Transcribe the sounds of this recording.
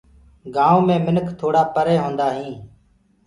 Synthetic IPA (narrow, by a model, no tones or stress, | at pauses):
ɡaːõːmẽːmɪnəkʰt̪ʰoːɽaːpəɾeːɦõːnd̪aːɦĩː